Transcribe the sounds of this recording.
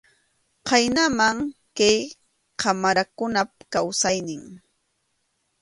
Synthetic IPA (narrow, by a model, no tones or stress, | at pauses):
qɑjnamaŋ | kaj | kamaɾakʊnap̚kawsajnɪŋ